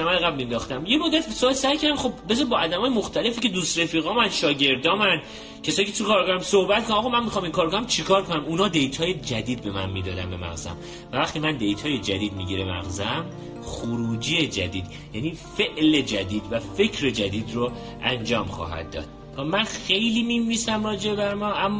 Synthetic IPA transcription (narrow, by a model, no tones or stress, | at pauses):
æmæjeɣæbmend̪ɒːxt̪æmjemod̪ːæt̪ʰibesoɒːlsæjkʰæɾd̪æmxo̞bbezɒbɒːæd̪æmɒːjemoxt̪ʰæle̞fiːcʰed̪ust̪ɾefiːɣɒːmænʃɒːɟe̞ɾd̪ɒːmæn | cʰe̞sɒːjicʰet̪ʰukʰɒːɾɡɒɾæmsohbæt̪̚kʰonæmɒɣɑːmænmixɒːmiŋkɒːɾkʰonæmt͡ʃʰikʰɒːɾkʰonæmunɒːd̪e̞jt̪ʰɒːjed͡ʒæd̪iːd̪̚be̞mænmiːd̪ɒːd̪ænbe̞mæ̰ɣzæ̰m | vævæχt̪imænd̪e̞jt̪ʰɒːje̞d͡ʒæd̪iːd̪miɟiɾemæ̰ɣzæm | xoɾuːd͡ʒiːed͡ʒæd̪iːd̪̥ | jæniːfe̞ʔle̞d͡ʒæd̪iːd̪væfe̞cʰɾe̞d͡ʒæd̪iːd̪ro | ʔænd͡ʒɒːmχɒ̰ːɦæ̰d̪̚ːɒ̰ːd̪̥̚ | væmænxe̞jliːminvisæmrɒːd͡ʒeebæɾmɒːʔæmː